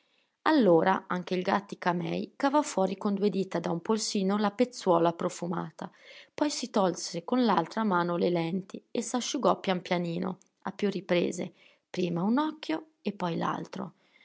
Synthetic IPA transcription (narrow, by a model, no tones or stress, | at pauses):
alːoːɾaʔaŋk̟eilɡat̪ːikamɛ̰jkavɔfːwɔːɾikond̪ued̪it̪ad̪aumpolsiːnolapet̪sːwɔːlapɾofuma̰ːt̪apɔjsit̪ɔlsekonlalt̪ɾamaːnolelɛnt̪iesaʃːuɡɔpːjampjaniːno̰ | apːjurːipɾḛːzḛ | pɾiːmaunɔkːjo | epːɔjla̰lt̪ɾo̰